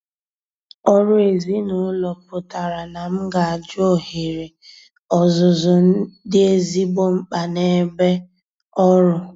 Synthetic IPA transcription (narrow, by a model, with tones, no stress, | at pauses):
ɔ˦ɾʊ˦e˨zi˦nʊ˨˦lɔ˨pʊ˨ta˨ɾa˨na˨m̩˦ɡa˨a˨d͡ʒo˦ɦe˨ɾe˨ | ɔ˨zʊ˨zʊ˨n̩˦dɪ˦e˦zi˦ɡ͡bo˦ŋ͡m̩˦k͡pa˨ne˨be˦ | ɔ˦ɾʊ˦